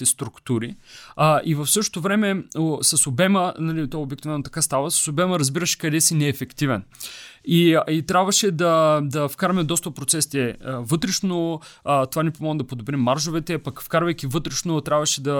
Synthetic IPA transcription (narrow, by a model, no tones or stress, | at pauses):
t̪ɛst̪ɾukt̪uɾi | ʔivɐfsɤʃto̥t̪ovɾɛmɛosɐsobɛmənɐlit̪ɔɛobɛkt̪ivɛnot̪ɐkast̪avəsɐ̥sobɛməɾɐzbiɾəʃɛ̥kɐd̪ɛsinɛːfɛkt̪ivɛniit̪ɾʲabvɐʃɛd̪ɐd̪ɐfkaɾɐmɛd̪ɔst̪ɐt̪̚pɾot̪sɛsi̥t̪ɛvɤt̪ɾɛʃnot̪ovanipomɔɡnd̪ɐpod̪obɾimːaɾʃovɛt̪ɛpɐkfkaɾvɐjkʲivɤt̪ɾɛʃnot̪ɾʲabvɐʃɛd̪ɐ